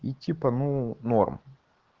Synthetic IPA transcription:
itʲipənunorm

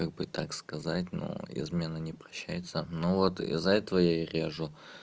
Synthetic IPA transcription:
kaɡ̚bɨt̪akskɐzatʲno̰ɪ̰zmʲe̞nənʲɪpɾɐɕːæjɪt̪sənovo̞t̪ɪ̰zːɐɛt̪əvəjaɾʲeʐʊ

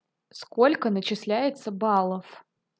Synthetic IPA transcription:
sko̞lʲkənət͡ɕɪslʲæjɪt̪səbɑlˠəf

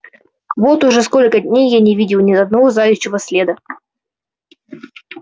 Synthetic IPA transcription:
vo̞t̪ʊʐɛsko̞lʲkədʲnʲejːanʲɪvʲidʲɪlˠnʲɪɐd̪nɐvozajʉɕːɪvəsʲlʲed̪ə

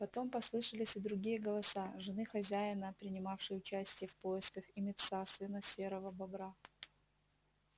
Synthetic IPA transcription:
pɐt̪o̞mpɐslˠɨʂəlʲɪsʲɪd̪ɾʊɡʲijəɡəlˠɐsaʐɨnɨxɐzʲæjɪnəpɾʲɪnʲɪmafʂɨjʊt͡ɕæsʲtʲɪjəfpoɪskəxɪmʲɪt̪sasɨnəsʲe̞ɾəvəbɐbɾa

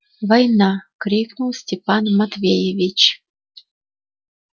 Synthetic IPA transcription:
vɐjnɑkɾʲiknulˠsʲtʲɪpɑnmɐt̪vʲejevʲit͡ɕ

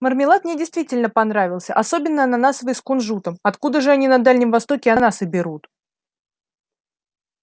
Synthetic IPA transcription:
mərmʲɪlˠat̪mnʲedʲɪjst̪vʲitʲɪlʲnəpɐnɾavʲɪlˠsʲə̰ʔɐso̞bʲɪnːənanasəvəjskʊnʐut̪əmɐt̪kud̪əʐɨɐnʲinɐd̪alʲnʲɪmvɐst̪o̞kʲɪɐnasɨbʲɪɾut̪

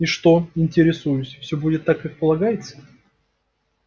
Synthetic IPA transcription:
iʂt̪o̞ɪnʲtʲɪɾʲɪsujʊsʲfsʲobudʲɪt̪ːakːak̚pəlˠɐɡajɪt̪sə̥

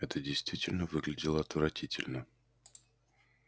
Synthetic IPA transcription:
ɛt̪ədʲɪjst̪vʲitʲɪlʲnəvɨɡlʲɪdʲɪlˠəɐt̪vɾɐtʲitʲɪ̰lʲnə

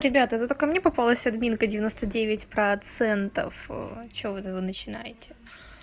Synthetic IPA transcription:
ɾʲɪbʲat̪əɛt̪ət̪okəmnʲepɐpalˠəsʲɐd̪mʲinkədʲɪvʲɪnost̪ədʲevʲɪtʲpɾɐt̪sɛnt̪ə̰fə̰t͡ɕɪvovɨt̪ɛvɨnət͡ɕɪnajɪtʲɪ̥

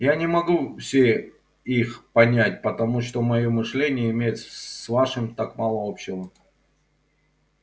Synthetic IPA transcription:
janʲɪmɐɡufsʲe | ixpɐnʲætʲpət̪ɐmuʂt̪o̞mɐjomɨʂlʲenʲɪjəɪmʲejɪt̪svaʂɨmt̪akmalˠəopɕːɪvə

